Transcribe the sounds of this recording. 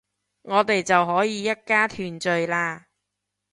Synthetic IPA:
ŋɔː˨˧t̪e˨jt͡sɐ˨wɦɔː˨˥jiː˨˧jɐ˥t̚kaː˥t̪ʰyː˨nt͡ʃɵ˨ɥlaː˧

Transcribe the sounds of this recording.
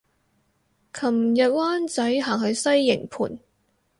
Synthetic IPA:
kʰɐ˨˩mjɐ˨t̚waː˥nt͡sɐ˨˥jɦaː˨˩ŋɦɵ˨˧ɥsɐ˥jːɪ̰˨˩ŋpʰṵː˨˩n

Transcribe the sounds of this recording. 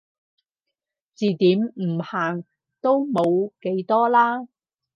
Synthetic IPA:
t͡siː˨t̪iː˨˥mm̩˨˩haː˨˩ŋ | t̪o˥wmo˨˧wke˨˧jt̪ɔː˥laː˥

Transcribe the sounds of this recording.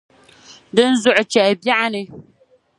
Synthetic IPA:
dɨ˦n̩˦zʊ˦˨ʔʊ˨t͡ʃɛ˨ʔba˦ʔa˦nɨ˨

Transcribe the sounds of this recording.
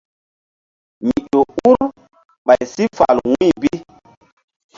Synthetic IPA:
mi˨ɗo˨u˦ɾ | ɓa˨jsi˦fa̰˨lwũ˦˨bi˦

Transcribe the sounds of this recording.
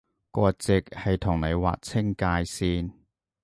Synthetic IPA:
kʷɔː˧t͡sɪ˨k̚hɐ˨jt̪ʰʊ˨˩ŋne˨˧jwa̰ː˨k̚t͡sʰɪ˥ŋkaː˧jsiː˥n

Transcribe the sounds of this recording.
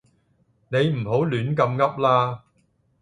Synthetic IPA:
ne˨˧jm̩˨˩ɦo˨˥wlyː˨˥nkɐ˧mŋɐ˥p̚laː˥

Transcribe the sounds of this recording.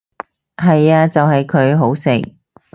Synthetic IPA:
ɦɐ˨jaː˧t͡sɐ˨wɦɐ˨jkʰɵ˨˧ɥɦo˨˥wsɪ˨˩k̚

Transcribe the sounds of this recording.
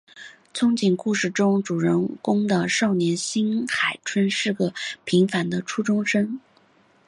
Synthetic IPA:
t͡sʰʊ˥ŋt͡ɕi˨˩nku˥˧ʂɻ̩˥˩ʈ͡ʂʊ˥ŋʈ͡ʂu˨˩ɻə˧˥ŋkʊ˥ŋd̪ə˧ʂɑ˥˩ʊnjɛ˧˥nɕi˥nxa˨˩ɪʈ͡ʂʰwə˥nʂɻ̩˥˩ɡə˩pʰi˧˥ŋfa˧˥nd̪ə˧ʈ͡ʂʰu˥ʈ͡ʂʊ˥ŋʂɤ˥ŋ

